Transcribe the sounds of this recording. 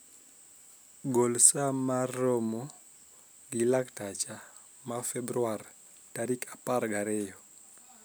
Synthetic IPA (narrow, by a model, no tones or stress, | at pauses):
ɡolsamarːomo | ɡilaktat͡ʃa | mafɛbɾuar | taɾikapaɾɡaɾɛjɔ